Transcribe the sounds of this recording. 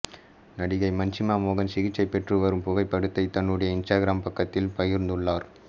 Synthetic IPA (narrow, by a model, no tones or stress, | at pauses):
nɐɽɪɣɐɪmɐɲt͡ʃɪmaːmoːɣɐnsɪɣɪt͡ʃːɐɪpːɛʈrɯʋɐɾɯmpʊɣɐɪpːɐɽɯt̪ːɐɪt̪ːɐɳːɯɽɐjɐɪnsʈaːɡɪɾaːmpɐkːɐt̪ːɪlpɐjɪɾnd̪ɯɭːaːɾ